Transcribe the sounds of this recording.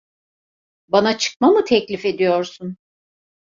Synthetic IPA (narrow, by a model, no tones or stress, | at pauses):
banat͡ʃʰɯ̥k̚mamɯt̪ʰɛclʲife̞d̪ijo̞ɾsun